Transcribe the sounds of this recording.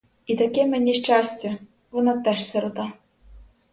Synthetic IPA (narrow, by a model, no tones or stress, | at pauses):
it̪akʲɛmɛnʲiʃt͡ʃasʲt͡sʲɛ | ʋɔnɑt̪ɛʃsɛɾʊt̪ɑ